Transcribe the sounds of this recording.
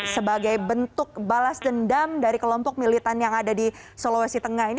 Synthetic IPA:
səbaɡajbənt̪ʊk̚balasdəndamdaɾikəlɔmpɔk̚milit̪anjaŋadadisolowasit̪əŋahini

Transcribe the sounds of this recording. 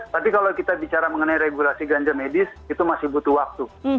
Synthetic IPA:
t̪apikalawkit̪abit͡ʃaɾaməŋənajɾeɡulasiɡaɲd͡ʒamedɪsit̪umasɪhbut̪uwak̚t̪u

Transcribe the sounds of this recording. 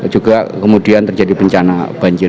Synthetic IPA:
d͡ʒuɡakəmudiant̪ərd͡ʒadibəɲt͡ʃanab̥aɲd͡ʒɪr

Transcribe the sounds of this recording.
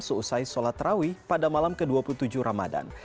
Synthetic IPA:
səusajsolat̪rawipadamalamkəduapulut̪ud͡ʒuhɾama̰da̰n

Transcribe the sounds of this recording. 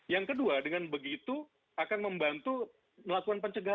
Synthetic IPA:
jaŋkəduadəŋanbəɡit̪u | akanməmbant̪u | məlakukanpəɲt͡ʃəɡa

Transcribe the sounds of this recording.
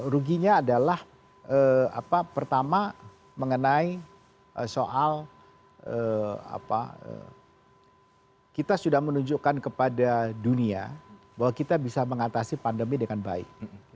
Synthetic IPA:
ɾuɡiɲaːdalah | ʔəa̰papərt̪ama | məŋənai | ʔəsoʔal | əa̰pa̰ə̰ | kit̪asudahmənuɲd͡ʒukankəpadadunia̰ | bahwakit̪abisaməŋat̪asipandəmidəŋanba̰ɪ̰k̚

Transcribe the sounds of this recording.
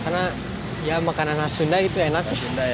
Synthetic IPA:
karna | jamakananhasundaɡit̪uenak̚

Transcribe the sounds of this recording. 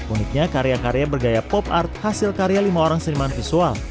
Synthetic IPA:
unɪk̪̚ɲakaɾeakaɾeabərɡajapɔpa̰rt̪̚hasɪlkaɾealimaoɾaŋsəɾimanfisual

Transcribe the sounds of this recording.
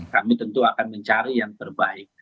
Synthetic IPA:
kamit̪ənt̪uakanməɲt͡ʃaɾijaŋt̪ərbaɪk̚

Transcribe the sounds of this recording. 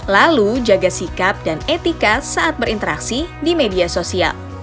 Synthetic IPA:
lalud͡ʒaɡasikap̚danet̪ikasaat̪̚bəɾint̪əɾa̰ksidimediasosia̰l

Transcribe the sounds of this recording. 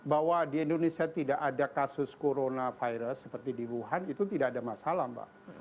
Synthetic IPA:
baɦwadiɛndonesiat̪idaʔadakasʊskoɾonafajɾəsːəpərt̪idiɾuɦanit̪ut̪idaʔːdamasalaba̰ʔ

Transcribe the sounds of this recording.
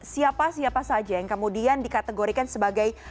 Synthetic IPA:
siapasiapasad͡ʒajaŋkəmudiandikat̪əɡoɾikansəbaɡaj

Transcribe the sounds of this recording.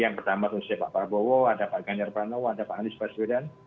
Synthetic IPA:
jaŋpərt̪amat̪unsapa̰ʔpaɾabowɔadapaʔɡaɲd͡ʒarpɾanowɔadapaʔanɪspasbedan

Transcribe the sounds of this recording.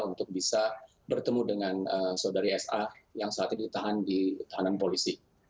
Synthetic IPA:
unt̪ʊk̚bisa | bərt̪əmudəŋanəsodaɾiɛsajaŋsəat̪̚ɲadit̪aɦandit̪aɦananpolisi

